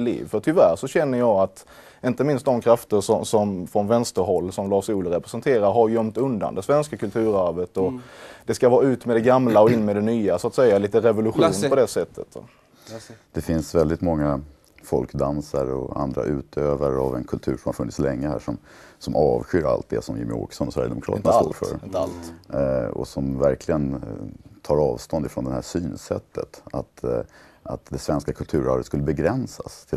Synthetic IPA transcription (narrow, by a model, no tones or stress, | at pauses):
lḭːvfœʈʰʏvæɾʂɔɕɛnːəjɑːat̪ | ɪnt̪əmɪnst̪d̪ɔmkʰɾaft̪əʂɔsɔmfɾɔnvɛnst̪əɾɦɔlːsɔmlɑːʂuːlɾɛpɾɛsɛnt̪ʰeːɾaɾɦaɾjœmt̪ɵnd̪a̰nd̪ɛsvɛnskakʰɵlt̪ʰʉ̟ːɾæɾvət̪ɔd̪̥ɛskavɑːɾaʉ̟ːt̪mɛd̪ɛɡamlaɔɪnːmɛd̪ɛnyːasʊat̪sɛjːaliːt̪əɾɛvʊlɵɧuːnpɔd̪ɛsɛt̪ʰːə̰t̪ | d̪̥ɛfɪnsvɛld̪ɪt̪mɔŋːa | fɔlkd̪ansaɾɔa̰nd̪ɾa̰ʔʉ̟ːt̪ʰøːvaɾavɛnkʰɵlt̪ʰʉ̟ːɾʂɔmhaɾfɵnːɪt̪slɛŋːəhæ̰ːʂɔm | sɔmʔɑːvɧʏɾa̰lt̪̚d̪ɛ̰sɔmjɪmɪo̰ːksɔnɔsvæɾjəɛd̪ɛmʊkʰɾɑ̰ːt̪ənasto̰ːɾfœ̰ːɾ | ɔ̰sɔmvæɾkʰlɪɡənt̪ʰɑːɾɑːvst̪ɔnd̪ɪfɾɔnd̪ɛhæsyːnsɛt̪ʰːə̰t̪at̪ | at̪d̪ɛsvɛnskakʰɵlt̪ʰʉ̟ːɾaɾət̪skɵlːəbɛɡɾɛnsast̪ʰɪ